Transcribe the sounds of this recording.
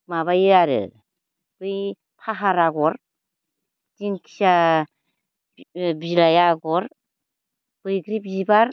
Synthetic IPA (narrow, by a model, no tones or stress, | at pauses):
maβajɯaɾɯ̰ | b̥ɯj | pʰaɦaɾaɡɔɾ | tinkʰi̥sa | bilajaɡɔɾ | b̥ɯjɡɾip̚zibaɾ